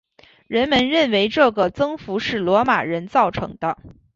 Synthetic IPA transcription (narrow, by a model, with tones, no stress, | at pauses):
ɻə˧˥nmə˧˥nɻə˥˩nwe˧˥ɪʈ͡ʂɤ˥˩ɡə˩t͡sɤ˥ŋfu˧˥ʂɻ̩˥˩lwɔ˧˥ma̰˨˩ɻə˧˥nt͡sɑ˥˩ʊʈ͡ʂʰɤ̰˧˥ŋd̪ə˦